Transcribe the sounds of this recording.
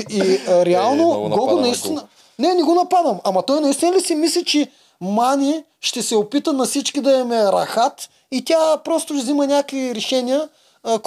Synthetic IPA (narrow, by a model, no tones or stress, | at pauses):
iɾɛalˠnoɡɔɡonɐist̪in | nɛnɛɡonɐpad̪ɐmamɐt̪ɔjnɐist̪inɐlisɛmislʲit͡ʃɛ | manʲi | ʃt̪ɛsɛopit̪ənɐfsit͡ʃkid̪ɐɛmɛɾɐ̰xat̪ | it̪ʲapɾɔst̪ʊzimɐnʲakviɾɛʃɛnijə | k